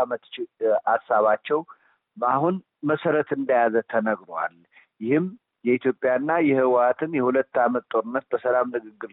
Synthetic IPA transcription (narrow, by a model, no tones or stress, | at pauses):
amət̪t͡ʃɪasːaβat͡ʃːɛw | mahun | məsəɾət̪ɨnd̪əjazət̪ʰənəɡɾowa̰l | jɪhɨm | jɛit̪ʰjo̞pʼjaɨnːajɛhɨwat̪ʰɨnjɛhulət̪ːamət̪t̪ʼo̞ɾɨnːət̪̚bəsəlamnɨɡɨɡːɨɾ